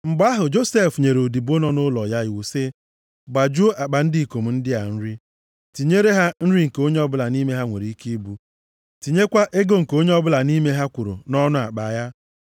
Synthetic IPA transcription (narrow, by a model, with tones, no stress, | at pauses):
ŋ͡m̩˨ɡ͡ba˦ɦʊ˨d͡ʒo˦se˦˨fɲe˨ɾo˨di˨bo˦nɔ˦nʊ˦lɔ˨ja˦jwu˨se˦ | ɡ͡ba˨d͡ʒu˦a˨k͡pa˨n̩˦di˦˨ko˨m̩˨n̩˦dɪ˦a̰˨n̩˦ɾi˦ | ti˨ɲe˦ɾe˦ɦa˦n̩˦ɾi˦ŋ̩˨ko˦ɲe˦ɔ˦bʊ˦la˨ni˦me˦ɦa˦ŋʷḛ˨ɾi˨i˦ki˦bu˦ | ti˨ɲe˦kʷa˦ʔe˦ɡo˦ŋ̩˨ko˦ɲe˦ɔ˦bʊ˦la˨ni˦me˦ɦa˦kʷu˨ɾo̰˨nɔ˦nʊ˦a̰˨k͡pa˨ja˦